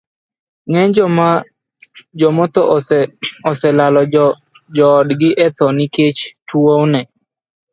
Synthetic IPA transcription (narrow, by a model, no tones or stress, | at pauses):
ŋɛd͡ʒma | d͡ʒɔmɔt̪ɔ | ɔsɛlalɔ | d͡ʒɔːdɡɪʔɛt̪ɔnɪket͡ʃtwownɛ